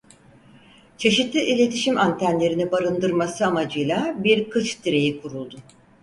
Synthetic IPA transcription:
t͡ʃʰe̞ʃit̪lʲˠɯʔilʲe̞t̪ʰiʃimant̪ʰænlʲe̞ɾinibaɾɯnd̪ɯɾmasɯamad͡ʒɯjlˠabiɾkʰɯt͡ʃd̪iɾe̞jikʰuɾulˠd̪ʊ

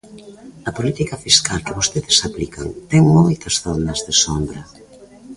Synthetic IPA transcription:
ɐpolit̪ikɐfiskalkɪβost̪eðɪsaplikɐ̰ŋt̪ɛŋmojt̪ɐzθonɐzðesombɾɐ

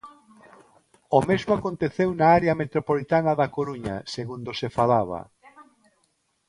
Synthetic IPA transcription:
omezmoakont̪eθewnaaɾeɐmet̪ɾopolit̪anɐðakoɾuɲɐ̰seɣund̪osefalaβ̞ɐ̰

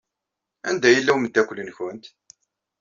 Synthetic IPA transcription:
æ̰nd̪æjəlːæwməd̪ːækʷːəlːənçʊnt̪

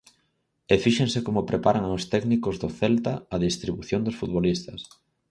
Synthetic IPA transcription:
efiʃeŋsɪkomʊpɾepaɾaŋast̪ɛknikʊzðʊθɛlt̪aːðist̪ɾiβuθjond̪ʊsfut̪βolist̪ɐs

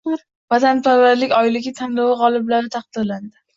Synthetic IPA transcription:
vat̪ʰanpʰaɾvaɾlɪkʲɒjlɪɡʲɪt̪ʰanlɒwɪʁɒlˠɪblaɾɪt̪ʰaɑqd̪̥ɪɾland̪ɪ

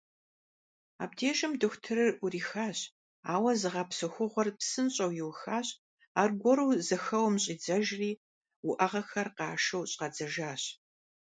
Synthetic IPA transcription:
a̰ːb̚dʰeːʃʼɐmdɨxʷtʰɨɾɨrʔʷʊriːxaːɕ | a̰ːwɐzɨʁɐpsɨxʷʊʁʷɔrpsɨnɕʼɐwjɪwxaːɕ | aːrɡʷɔɾuːzɐxɐwmɕʼiːd͡zɐʒriː | wʊʔɐʁɐxɐrqɑːʃɐwɕʼqɐd͡zɐʒaːɕ

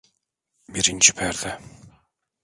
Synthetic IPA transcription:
biɾint͡ʃʰi̥pʰæɾd̪ɛ

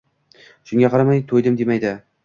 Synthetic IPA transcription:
ʃʊŋʲaqʰɑɾamajt̪ʰojd̪ɪmd̪emajd̪ɪ

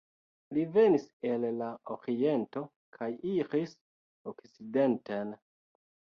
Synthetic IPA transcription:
live̞nise̞lːaoɾie̞nto̞ | kʰajiɾis | okt͡side̞nten

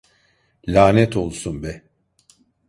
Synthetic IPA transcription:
lʲaːnɛt̪ʰo̞lˠsunbɛ

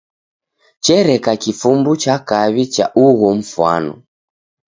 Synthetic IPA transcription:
t͡ʃɛɾɛkakifumbut͡ʃakaβit͡ʃa̰ʔuɣɔm̩fwa̰nɔ̰

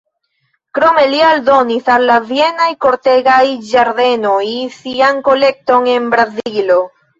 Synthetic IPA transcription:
kɾo̞me̞lialdo̞nisalːavie̞najko̞ɾt̪e̞ɡajd͡ʒaɾd̪e̞no̞jsiaŋko̞le̞k̚to̞ŋe̞nbɾazilo

